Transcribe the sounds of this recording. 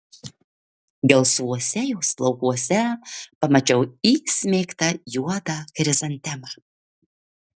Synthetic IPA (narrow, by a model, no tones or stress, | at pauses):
ɡʲɛlˠsʋuɔsʲɛjɛʊslˠɒʊkuɔsʲɛpɐmɐt͡ʃʲɛʊiːsʲmʲeːkt̪ɐjuɔd̪ɑkɾʲɪzɐnʲt̪ʲɛmɑ